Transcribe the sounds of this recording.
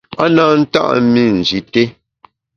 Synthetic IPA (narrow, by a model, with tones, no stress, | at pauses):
a˦na˦n̩˦ta̰˦ʔmi˦n̩˨zi˨te˦